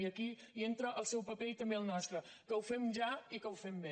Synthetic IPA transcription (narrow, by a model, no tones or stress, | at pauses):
iəki | ient̪ɾəʔːlˠsɛwpəpeit̪əmbeəlˠnɔst̪ɾə | kəwfɛmʒaikəwfɛmbe